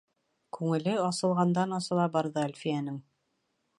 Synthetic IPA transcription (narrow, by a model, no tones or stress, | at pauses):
kʉŋɘ̆lɘɑsɤ̆lˠʁɑnd̪ɑnɑsɤ̆lˠɑbɑɾðɤælfijænɘŋ